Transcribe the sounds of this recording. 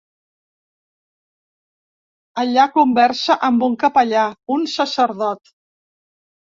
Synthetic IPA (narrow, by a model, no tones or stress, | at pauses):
əʎakumbɛɾsəʔəmbuŋkəpəʎaunsəsəɾðɔt̪